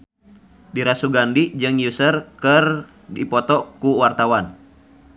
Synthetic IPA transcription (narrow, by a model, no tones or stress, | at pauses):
diɾasuɡandid͡ʒɨŋjusərkɨr | dipɔt̪ɔkuwart̪awan